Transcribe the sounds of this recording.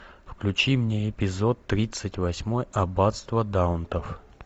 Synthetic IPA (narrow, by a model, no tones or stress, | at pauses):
fklʲʉt͡ɕimnʲeɪpʲɪzo̞t̪ːɾʲit̪sɨtʲvɐsʲmo̞jɐbat̪st̪vəd̪aʊnt̪əf